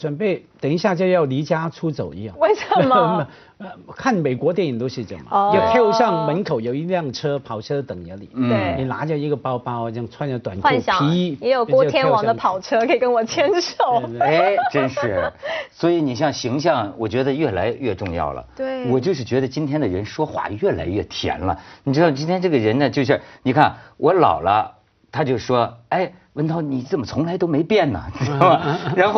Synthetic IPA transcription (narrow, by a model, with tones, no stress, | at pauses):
ʈ͡ʂwə˨npe˥˩ɪt̪ə˨˩ŋi˧˥ɕja˥˧t͡ɕjo˥˧˥jɑ˥˩ʊli˧˥t͡ɕja˥ʈ͡ʂʰu˥t͡so˨˩ʊḭ˧˥jɑ˥˩ŋwe˥˩ɪʈ͡ʂʰə˨˧˥mə˧ | ə˧˩kʰa˥˩nme˨˩kwɔ˧˥t̪jɛ˥˩ni˨˩ŋt̪o˥ʊʂɻ̩˥˩ʈ͡ʂə̰˧˩mɐ̰˨˧jt̪ʰje˥ʊɕjɑ˥˩ŋmə˧˥nkʰo˨˩ʊjo˨˩ʊi˧˥ljɑ˥˩ŋʈ͡ʂʰɤ˥pʰɑ˨˩ʊʈ͡ʂʰɤ˥d̪ə˧t̪ə˨˩ŋə˧˥lḭ˨˩˦e˥˩ni˨˩la̰˧˥t͡ɕjɑ˥˩i˧˥ɡə˧pɑ˥ʊpɑ˥ʊ˧˩jɑ˥˧ŋt͡sʰwa˥˧njɑ˥˩t̪wa˨˩na˥˧nɕʰi˧˥i˥ɛ˧˥jo˨˩ʊkwɔ˥˧˥jɛ˥n˥wɑ˨˩˦d̪əpʰɑ˨˩ʊʈ͡ʂʰɤ˥kʰe˧˥i˨˩kə˥nwɔ˨˩t͡ɕʰjɛ˥nʂo˨˩ʊe˥˩ʈ͡ʂə˥nʂɻ̩˥˩swɔ˧˥i˧˥ni˨˩ɕjɑ˥˩ŋɕi˧˥ŋɕ̬jɑ˥˩ŋwɔ˨˩t͡ɕɥɛ˧˥d̪ə˧ɥɛ˥˩la˧˥ɪɥɛ˥˧ʈ͡ʂʊ˥˧ŋjɑ̰˥˩ʊlə̰˩t̪e˥˩wɔ˨˩t͡ɕjo˥˧ʊʂɻ̩˥˩t͡ɕɥɛ˧˥d̪ə˧t͡ɕi˥nt̪ʰjɛ˥nd̪ə˨ɻə˧˥nʂwɔ˥xwa̰˥˩ɥɛ˥˩la̰˧˥ɪɥɛ˥˩t̪ʰjɛ̰˧˥nlə̰˧ni˨˩ʈ͡ʂɻ̩˥d̪ɑ˥˩t͡ɕi˥nt̪ʰjɛ˥nʈ͡ʂɤ˥˩ɡə˩ɻə˧˥nd̪ə˧t͡ɕjo˥˧ʊɕ̬ɛ˥˩ni˨˩kʰa˥˩nwʔɔ˧˥lɑ̰˨˩ʊlə˦ | t̪ʰa˥t͡ɕjo˥˧ʊ˩ʂwɔ˥a˥˩ɪ | wə˥˧nt̪ʰɑ˥˩ʊni˨˩t͡sə˥˩nmə˩t͡sʰʊ˧˥ŋla˧˥ɪt̪o˥ʊme˧˥ɪpjɛ˥˩nnə̰˩˥ɐ˨˩ɻa˧˥nxo˥˧